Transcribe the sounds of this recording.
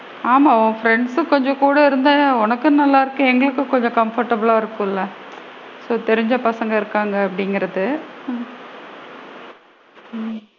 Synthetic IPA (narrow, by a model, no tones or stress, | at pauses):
aːmaːõːfɾɛɳɖsɯkɔɲd͡ʒɔ̃kuːɽɐɪɾɯnd̪aɔnɐkːɯ̃nɐlːaːɪɾɯkːɯ̃ɛŋɡɐɭɯkːɯkːɔɲd͡ʒɔ̃kɐmfɐɾʈːɐbɐɭaːɪɾɯkːʊ̃ɪlːɐ | soːt̪ɛɾɪɲd͡ʒɐpɐsɐŋɡɐɪɾɯkːaːŋɡɐːpːɐɽɪŋɡɪɾɐðɯ